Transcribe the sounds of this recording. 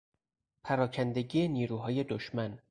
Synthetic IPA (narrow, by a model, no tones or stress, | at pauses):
pʰæɾɒːcʰænd̪e̞ɟiːeniːɾuːɦɒːje̞d̪oʃmæn